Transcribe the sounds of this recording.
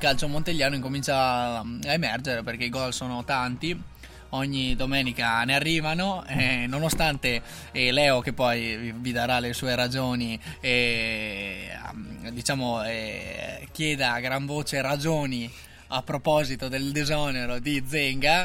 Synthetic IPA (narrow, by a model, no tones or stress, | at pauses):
kalt͡ʃomont̪eʎːaːnoiŋkomint͡ʃaaemɛrd͡ʒeɾeperk̟eiɡɔlsoːnot̪ant̪i | ɔɲːid̪omɛːnikanearːiːvanoɛnonost̪ant̪e | ɛlɛːokepːɔjvid̪aɾalesuːeɾad͡ʒoːnie | d̪it͡ʃaːmoɛ | k̟jɛːd̪aɡɾaɱvoːt͡ʃeɾad͡ʒoːni | apːɾopɔzit̪od̪eld̪izɔneɾod̪id̪zːeŋɡa